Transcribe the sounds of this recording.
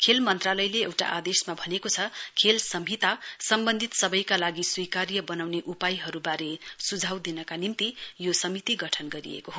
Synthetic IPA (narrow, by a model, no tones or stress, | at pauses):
kʰelmʌnt̪ralʌjleewʈa̰ʔad̪esmabʱʌnekot͡sʰʌkʰelsʌmɦit̪asʌmbʌnd̪ʱit̪sʌbʌjkalaɡiswikaɾjʌbʌnawneʔupajɦʌɾubaɾesud͡zʱawd̪inʌkanimt̪ijosʌmit̪iɡʌʈʰʌnɡʌɾḭḛkoɦo